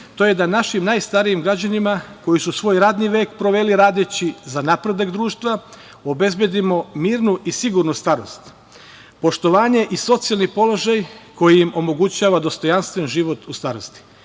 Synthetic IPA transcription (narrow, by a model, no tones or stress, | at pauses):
t̪o̞ːje̞d̪anaʃimnajst̪aɾijimɡɾad͡ʑanimako̞jisusʋo̞ːjɾad̪niʋe̞ːkpɾo̞ʋe̞liɾaːd̪et͡ɕizanapɾe̞d̪akd̪ɾuːʃt̪ʋa | o̞be̞zbje̞d̪imo̞miːɾnuʔisiɡuɾnust̪aɾo̞st̪ | po̞ʃt̪o̞ʋaːɲe̞ʔiso̞t̪sialˠnipo̞lo̞ʒajko̞jijimo̞mo̞ɡut͡ɕaːʋad̪o̞st̪o̞janst̪ʋenʒiʋo̞t̪ʰust̪aːɾo̞st̪i̥